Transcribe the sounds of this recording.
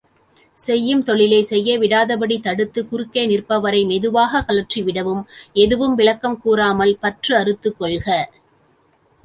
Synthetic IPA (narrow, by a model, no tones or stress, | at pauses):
sɛjːɯmt̪ɔɭɪlɐɪsɛjːɐʋɪɽaːðɐbɐɽit̪ɐɽɯt̪ːɯkʊɾɯkːeːnɪrpɐʋɐɾɐɪmɛðɯʋaːɣɐkɐlɐʈriʋɪɽɐʋɯmɛðɯʋɯmʋɪɭɐkːɐmkuːɾaːmɐlpɐʈrɯɐɾɯt̪ːɯkːɔɭɣɐ